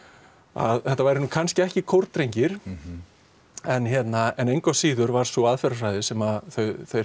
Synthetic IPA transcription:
a̰ðθɛht̪ːavaːjɾɪnukʰanscɪɛhcɪkʰowɾt̪ɾejɲcɪɾ̥ | ɛnçjɛt̪naɛnejŋkasiːðʏɾvaɾ̥sɔaðfɛɾafɾajðɪsɛmaθœɥθej

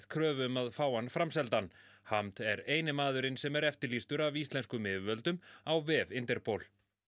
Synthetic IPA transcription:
ðkʰɾœːvmaðfaːwanfɾamsɛlt̪an | hamt̪ɛɾeːjnɪmaːðʏɾɪnsɛmɛɾɛft̪ɪɾlist̪ʏɾavist̪lɛnskʏmɪːvʏvœlt̪ʏmawvɪvɪnt̪ɛɾpʰowl

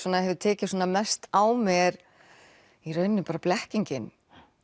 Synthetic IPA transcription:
ɔːnahɛvðɪt̪ʰɛːcɪsɔːnamɛst̪awmɛɾ | irœːɥnʏmpaːɾaplɛhciɲcɪn

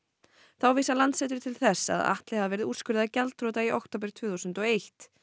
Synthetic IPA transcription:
θawviːsalant̪sɛːt̪ʏɾ̥t̪ʰɪlθɛsːa̰ða̰ht̪lɪhavavɛːɾɪðuskʏɾðacalt̪ɾoːt̪aiʔa̰wkt̪ʰoːwp̬ɪɾt̪ʰv̥ʏːθusʏnt̪ɔejht̪

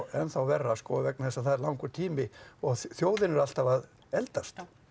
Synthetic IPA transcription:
ɛnθawvɛrːaskɔvɛk̚naθɛsːaθaðɛɾlawŋkʏt̪ʰiːmɪɔɣθjoːwðɪnɛɾal̥t̪avað | ɛlt̪ast̪

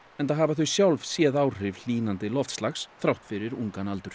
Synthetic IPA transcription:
ɛnt̪aɦavaθʏsjawlvsjɛːðaːw̥r̥ɪvl̥iːnant̪ɪlɔft̪stlaxsθɾawht̪fɪɾɪɾuŋkanalt̪ʏɾ̥

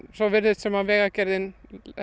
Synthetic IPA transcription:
sɔʋɪɾðɪt̪sɛmavɛːɣacɛɾðɪn

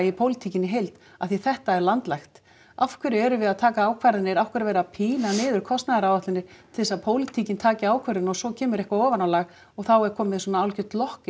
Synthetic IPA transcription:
jɪpʰoːwlɪt̪ʰicɪnːɪɦejlt̪ | aθiθɛht̪aɛɾlant̪lajxt̪ | afkʰɪɾɛɾʏvɪðaðt̪ʰaːkaaːwkʰvaɾðɪnɪɾafkvʏɪɾvɛːɾapʰiːnanɪːðʏɾ̥kʰɔst̪naðaɾawvaht̪lɪnːɪɾ̥t̪ʰɪlsaðpʰoːwlit̪ʰicɪnt̪ʰaːcɪaːwkʰvɛɾðɪnɔsɔcʰɛːmʏɾɛhkvaɔːvanawlaɣ | ɔɣθawɛɾ̥kʰɔːmɪðswɔnaawlcʏt̪lɔhkɪ

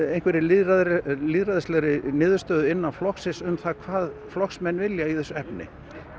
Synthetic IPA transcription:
ejnkvɛɾɪlɪðɾaðɾliːðɾaðɪslɛɣɾɪnɪːðʏɾ̥st̪œːðʏɪnːanflɔksɪsʏmθaðkʰvaːðflɔxsmɛnːvɪljaiθɛsːɛpnɪ̰

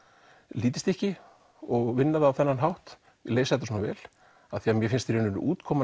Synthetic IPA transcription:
liːt̪ɪst̪ɛhcɪ | ɔɣvɪnːaðawθɛnːanɦawht̪ | leːjsaðɛt̪ːsɔːnavɛ̰ːl | aðθiamjɛfɪnst̪iɾenʏn̰ʔuːt̪kʰɔːma

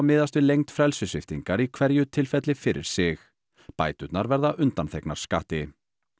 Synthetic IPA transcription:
mɪːðast̪vɪðlejŋt̪fɾɛlsʏsɪft̪iŋkaɾikʰvɛɾjʏt̪ʰɪlfɛt̪lɪfɪɾɪ̰ɾ̥sɪx | pa̰ːjt̪ʏt̪naɾvɛɾðaʔʏnt̪anθeknaɾ̥skaːht̪ɪ

